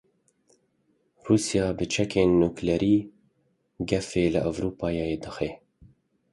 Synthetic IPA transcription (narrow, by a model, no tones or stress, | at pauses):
ruːsijɑːbɨt͡ʃʰɛkʰeːnːuːklɛɾiː | ɡɛfeːlɨʔavɾuːpɑːjejed̪ɨxe